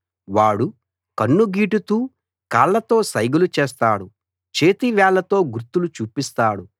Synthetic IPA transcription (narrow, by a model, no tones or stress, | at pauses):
ʋaːɽu | kɐnːuɡiːʈut̪uː | kaːlːɐt̪o̞ːsɐjɡulut͡ʃeːst̪aːɽu | t͡ʃeːt̪iʋɛːlɐt̪o̞ːɡuɾt̪ːulut͡ʃuːpist̪aːɽu